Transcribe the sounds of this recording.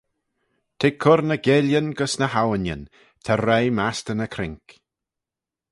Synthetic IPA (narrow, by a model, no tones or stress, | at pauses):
t̪ʰɪkʰʊɾnəɡɪljənɡəsnəhawənjə̰n | t̪ʰɛɾejmast̪ənəkʰɾɪŋk